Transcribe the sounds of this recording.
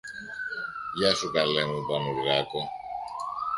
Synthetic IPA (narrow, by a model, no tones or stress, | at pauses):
jasukʼalɛŋubanuɾiɾakɔ